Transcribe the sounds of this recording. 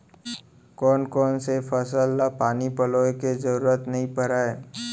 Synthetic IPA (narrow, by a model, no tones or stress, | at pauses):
kɔːnkɔːnsefʰəsəlːapaːnipəloːekezəɾuːɾət̪nɐɦĩpəɾaːeː